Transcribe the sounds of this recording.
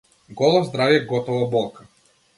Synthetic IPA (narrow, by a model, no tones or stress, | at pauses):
ɡɔlˠɔzd̪ɾavjɛɡɔt̪ɔvɔbɔlˠkḁ